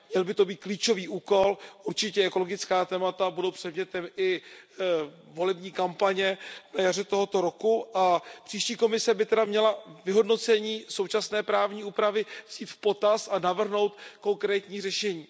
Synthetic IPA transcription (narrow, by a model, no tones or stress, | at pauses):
mɲɛlbɪt̪o̞biːt̪̚kliːt͡ʃo̞viːʔuːko̞lʔuɾt͡ʃɪcɛɛko̞lo̞ɡɪt͡skaːt̪ɛːmat̪abudowpr̝̥ɛdmɲɛt̪ɛmɪ | vo̞lɛbɲiːkampaɲɛnajar̝ɛt̪o̞ɦo̞t̪o̞ɾo̞kuʔapr̝̥iːʃciːko̞mɪsɛbɪt̪ɛdamɲɛlavɪɦo̞dno̞t͡sɛɲiːso̞wt͡ʃasnɛːpɾaːvɲiːuːpɾavɪvz̥iːt̪fpo̞t̪asʔanavr̩ɦno̞wt̪ko̞ŋkɾɛːt̪ɲiːrɛʃɛɲiː